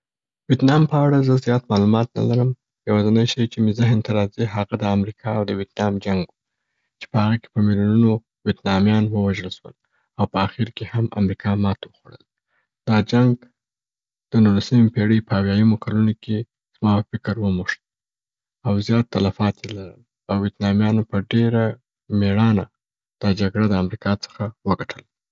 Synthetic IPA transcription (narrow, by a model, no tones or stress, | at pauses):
wet̪nɑmpəaɽazəzjɑt̪mɑlumɑt̪na̰laɾəm | jawɑzanajʃajt͡ʃemizaɦnt̪aɾɑziɦaɣad̪əamɾikʰɑawd̪əwjet̪nɑmd͡ʒaŋɡwu | t͡ʃe̥pəhaɣake̥pəmilununo | wjet̪nɑmjɑnwəwaʒəlʃwə̰l | awpəaxiɾkehamʔa̰mɾikʰɑmɑt̪wəxwaɽə̰l | d̪̥ɑd͡ʒaŋɡ | d̪̥ənulasəmepeɽəjpəawjajamokalunokʰe | z̥mɑəfɪkəɾwəmuʂt̪ | awzjɑt̪ːalafɑt̪jelaɾə̰l | awːet̪nɑmjɑnopəɖeɾa | meɽɑna̰ | d̪̥ɑd͡ʒaɡɽad̪əamɾikɑt͡sə̥xawəɡaʈʰəl